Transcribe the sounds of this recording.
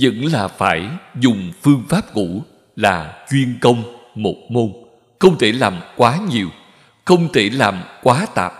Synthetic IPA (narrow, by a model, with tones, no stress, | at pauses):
zə̰˧˥ŋlaː˨˩faː˧˩jzʊ˨˩ŋ͡mfɨ˧əŋfaː˦˥p̚ŋṵ˧˥ | laː˨˩t͡ɕwi˧ənkə˧wŋ͡mmo˨˩t̚mo˧n | xə˧wŋ͡mt̪ʰe˧˩laː˨˩mkwaː˨˦ɲi˨˩əw | xə˧wŋ͡mt̪ʰe˧˩laː˨˩mkwaː˨˦t̪a̰ː˨˩p̚